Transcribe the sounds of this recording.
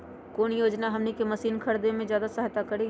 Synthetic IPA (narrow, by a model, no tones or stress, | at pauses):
koːnjoːd͡ʒnaɦɐmnikemɐsiːnkʰɐɾd̪emẽzjaːd̪asəɦt̪akɐɾi